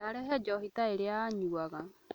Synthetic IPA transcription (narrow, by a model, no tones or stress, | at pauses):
aɾɛɦɛd͡ʒɔɦit̪aeɾeaɲuaɡa